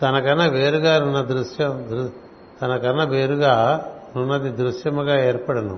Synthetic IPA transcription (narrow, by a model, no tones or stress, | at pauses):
t̪ɐnɐkɐnːɐʋe̞ːɾuɡaːnunːɐd̪ɾuʂjɐmd̪ɾ | t̪ɐnɐkɐnːɐʋeːɾuɡaːnunːɐd̪id̪ɾuʂjɐmɐɡaːeːɾpɐɽɐnṵ